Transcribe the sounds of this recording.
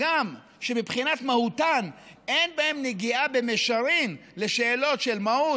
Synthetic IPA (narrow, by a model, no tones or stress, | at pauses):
ɡam | ʃe̞mipχinat̪mahutanenbae̞mneɡiabe̞meʃaɾinle̞ʃe̞ːlo̞tʃelmahu